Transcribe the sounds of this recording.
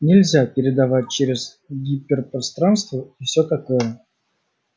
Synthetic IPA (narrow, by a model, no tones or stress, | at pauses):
nʲɪlʲzʲapʲɪɾʲɪd̪avat̚ʲt͡ɕeɾʲɪz | ɡʲipʲɪrpɾast̪ɾanst̪vəifsʲɵt̪ɐkojə